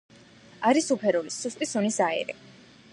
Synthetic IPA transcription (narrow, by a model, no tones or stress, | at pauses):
aɾisupʰɛɾɔlisust̪ʼisunisaɛ̰ɾɛ̰